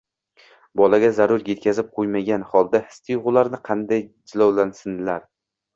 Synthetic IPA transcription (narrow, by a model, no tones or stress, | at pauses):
bɒlaɡʲazaɾʊɾje̞t̪̚kʲʰazɪp̚qʰojmaɡʲanhɒlˠd̪ahɪ̥st̪ʰɪjʁʊlaɾnɪqʰɑnd̪ajd͡ʒɪlɒwlansɪnlaɾ